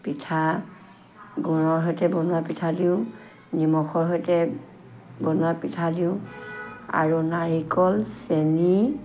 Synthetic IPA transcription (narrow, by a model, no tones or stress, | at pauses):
pitʰa | ɡunɔɹɦɔjtɛbɔnwapitʰadiʊ̃ | nimɔxɔɹɦɔjtɛ | bɔnwapitʰadiʊ̃ | a̰ɹunaɹikɔlseni